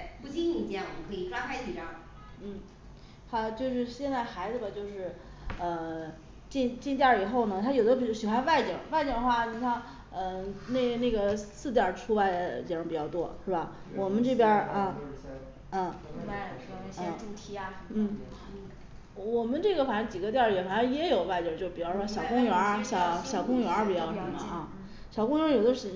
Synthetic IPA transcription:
pu˥˧t͡ɕi˥ni˨˩ja˥˩ɔ˨mə˧kʰɤ˧˥i˨˩ʈ͡ʂwa˥xa˧˥ɪt͡ɕʰi˨˩ʈ͡ʂɑ˥ | n̩˥˩ | t̪ʰa˥t͡ɕjo˥˧ʊʂ̬ɻ̩˥˧ɕjɛ˥˧nt͡sa˥˩ɪxa˧˥ɪd͡zɹ̩˧˩bɐ˨˩t͡ɕjo˥˧ʊʂɻ̩˥˩ | ə˧ | t͡ɕi˥˧nt͡ɕi˥˧nt̪jɑ˥˩i˨˩xo˥˩ʊnə˩t̪ʰa˥jo˨˩ʊd̪ə˦˨˩ɕi˨˩xwa˧˥nwa˥˩ɪt͡ɕjɑ˨˩˦ŋwa˥˧ɪt͡ɕɑ˥˩ŋ˧xwa˥˩n˧t̪ʰa˥ | ə˧ne˥˩ɪne˥˩ɡə˩sɹ̩˥˩t̪jɑ˥˩ʈ͡ʂʰu˥wa˥˩ɪt͡ɕi˧˥˩pi˨˩t͡ɕjɑ˥˧ʊt̪wɔ˥ʂɻ̩˥˩ba˩ | wɔ˨˩mə˧˦nʈ͡ʂɤ˥˩pjə˥ə˥˧ | ə˥˩˥ | ə˥˧˥t̪ʰi˧˥˧n̩˥˩ | wɔ˨˩mə˧˦nʈ͡ʂɤ˥˩ɡə˩fa˨˩ʂŋt͡ɕi˨˩ɡə˦t̪jɑ˥˩jɛ˧˩fa˨˩ʂɑ˥ŋjɛ˧˥jo˨˩ʊʋa˥˩ɪt͡ɕjt͡ɕjo˥˩ʊpi˨˩t͡ɕjʂɔ˥ɕjɑ˨˩ʊkʊ˥ŋɥɛ˧˥ɕjɑ˨˩˦ʊɕjɑ˨˩ʊkʊ˥ŋɥɛ˧˥pi˨˩t͡ɕjɑ˥˧ʊʂə˧˩mə̰˧˨˧ʔɐ˥˧ | ɕjɑ˨˩ʊkʊ˥ŋɥjo˨˩ʊd̪ə˧˥ʂɻ̩˧˩

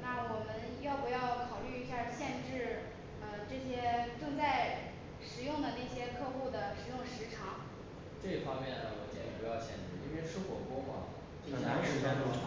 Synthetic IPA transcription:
na˥˩wɔ˨˩mə˧˦njɑ˥˩ʊpu˧˥jɑ˥˩ʊkʰɑ˨˩ʊly˥˧i˥ɕja˥˧ɕjɛ˥˧nʈ͡ʂɻ̩˥˩ | ə˧ʈ͡ʂɤ˥˩ɕjɛ˥ʈ͡ʂə˥˧ŋt͡sa˥˩ɪ | ʂɻ̩˨˩jʊ˥˩ŋd̪ə˩na˥˩ɪɕjɛ˥kʰɤ˥˧xu˥˩d̪ə˩ʂɻ̩˨˩jʊ˥˩ŋʂɻ̩˧˥ʈ͡ʂʰɑ˨˩˥ŋ | ʈ͡ʂɤ˥˩i˥fɑ˥ŋmjɛ˥˩nə˩wɔ˧˥t͡ɕjɛ̰˨˩nɛ˧˥pu˥˩jɑ˥˩ʊt͡ɕʰjɛ̰˥˩nʈ͡ʂ̩˥˩i˥ɛ˥ʈ͡ʂ̩ʰ˥xwɔ̰˨˩kwɔ˥mɐ̰˨˩˥ | na˧˥ʂɻ̩˥˩ɛ˥nʊ˥˩

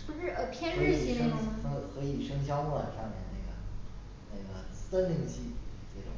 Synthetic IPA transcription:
ə˥ɻ̩˥˩ə˧˩pʰjɛ˥nɻɻ̩˥˩i˥˩xɤ˧˥xɤ˧˥i˨˩ʂɤ˥ŋɕʰjɑ˥ʊ˥˩la̰˨˩ʂɑ˥˧ŋmjɛ̰˥˩na˥˩ɡə˩ | na˥˩ɪɡə˩t̪ə˥nli˥˩ŋt͡ɕʰi˥ʈ͡ʂe˥˩ʈ͡ʂʊ̰˨˩˦ŋ

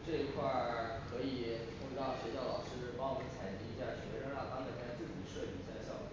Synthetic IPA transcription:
ʈ͡ʂɤ˥˧i˧˥kʰwa˥˩kʰɤ˧˥i˨˩˦t̪ʊ˥˩˥ɕɥɛ˧˥t͡ɕjɑ˥˩ʊlɑ˨˩ʊʂɻ̩˥˧pɑ˥˧ʊ˥ə˥˩t͡sʰa˨˩ɪt͡ɕi˥i˧˥ɕja˥˩ɕɥɛ˧˥ɻɻɑ˥˩ŋt̪ɑ˥ŋme˨˩ɪkʰa˥˧˥t͡sɹ̩˥˩t͡ɕi˨˩ə˦ʂɤ˥˩t͡ɕi˨˩˥ɕa̰˥˧˩ɕjɑ˥˩ʊ˩

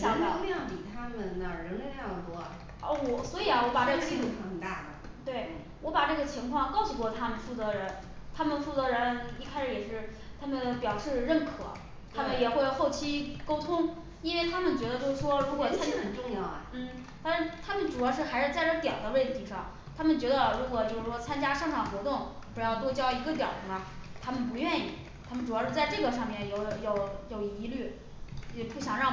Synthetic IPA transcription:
ɕjɑ˨˩ŋ˥˧˥jɑ˥˩ŋpi˨˩t̪ʰa˥mə˨nə˩ɻə˧˥nɻə˧˥n˥˧jɑ˥˩ŋt̪wɔ̰˥˩ | ɔ˥˧˩wɔ˧˩swɔ˧˥i˨˩ɐ˦wɔ˧˥pa˨˩ʈ͡ʂɤ˥˩ət͡ɕʰi˥u˥˩˥ə˨˩t̪a̰˥˩d̪ə̰˩ | t̪we˥˩ɪ | wɔ˧˥pa˨˩ʈ͡ʂɤ˥˩ɡə˩t͡ɕʰi˧˥ŋkʰwɑ˥˧ŋkɑ˥˧ʊsu˧kwɔ˥˩t̪ʰa˥mə˨nfu˥˩t͡sɤ˧˥ɻə˧˥n | t̪ʰa˥mə˨nfu˥˩t͡sɤ˧˥ɻə˧˥ni˥˩kʰa˥ɪʂɻ̩˧˩jɛ˨˩ʂɻ̩˥˩t̪ʰa˥mə˨npjɑ˨˩ʊʂɻ̩˥˧ɻə˥˩nkʰɤ̰˨˩˦ | t̪ʰa˥mə˨njɛ˨˩xwe˥˧ɪ˥xo˥˩ʊt͡ɕʰi˥ko˥ʊt̪ʰʊ˥ŋ | i˥nwe˥˩ɪt̪ʰa˥mə˨nt͡ɕɥɛ˧˥ə˧t͡ɕjo˥ʊʂ̩˥˩ʂwɔ˥ɻu˧˥kwɔ˨˩t͡sʰa˥nt͡ɕxə˨˩nʈ͡ʂʊ˥˧ŋjɑ˥˩ʊ˩n̩˥˩ | t̪a˥nʂɻ̩˥˩t̪ʰa˥mə˨nʈ͡ʂu˨˩jɑ˥ʊʂ̬ɻ̩˥˩xa˧˥ɪʂɻ̩˥˧t͡sa˥˧ɪʈ͡ʂɤ˥˩t̪jɑ˨˩ʊd̪ə˦we˥˩ɪt̪ʰi˧˥ʂɑ˥˩ŋ | t̪ʰa˥mə˨nt͡ɕɥɛ˧˥d̪ə˧ɻu˧˥kwɔ˨˩t͡ɕjo˥˧ʊʂɻ̩˥˩ʂwɔ˥t͡sʰa˥nt͡ɕja˥ʂɑ˥˩ŋʈ͡ʂʰɑ˨˩xwɔ˧˥t̪ʊ˥˩ŋpu˨˧˥jɑ˥˩ʊt̪wɔ˥t͡ɕjɑ˥ʊi˧˥ɡə˧t̪jɑ̰˨˩ʊd̪ə˦nɐ˩t̪ʰa˥mə˨np̬u˧˥ɥɛ˥˧nḭ˥˩ | t̪ʰa˥mə˨nʈ͡ʂu˨˩jɑ˥˧ʂɻ̩˥˧t͡sa˥˧ɪʈ͡ʂɤ˥˩ɡə˩ʂɑ˥˧ŋmjɛ˥˩njo˨˧˩ʊjo˥˩ʊjo˨˩ʊi˧˥ly˥˩˧ | pu˥˩ɕjɑ˨˩ŋɻɑ˥˩ŋ

